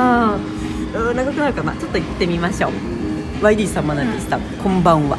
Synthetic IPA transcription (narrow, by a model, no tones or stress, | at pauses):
a | ɯːnaɡakɯ̟naɯ̟kama̰t͡ɕo̞t̪ːoit̪ːe̞mʲimaɕo̞ː | βaiɾʲiːsãmːanãɲd̪e̞sɨ̥t̪a | kõmbãɰ̃βa̰